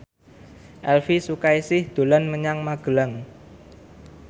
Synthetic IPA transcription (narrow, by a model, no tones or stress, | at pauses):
ʔɛlfisukajsɪhd̪̥o̤lanməɲaŋmaɡ̥ə̤laŋ